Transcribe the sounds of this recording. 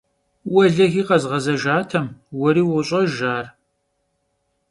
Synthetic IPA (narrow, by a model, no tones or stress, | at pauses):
wɐɮɐɣiːqɐzʁɐzɐʒaːtʰɐmwɔɾiːwʊɕʼɐʒaːr